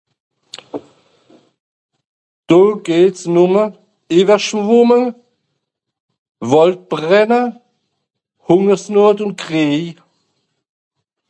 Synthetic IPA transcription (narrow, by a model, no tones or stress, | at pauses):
d̥oːɡ̥eːtsnʊmə | eːvəʃvʊmə | vɔlt̚b̥ʁɛnə | hʊŋəsnoɐtʊnt̚ɡʁeː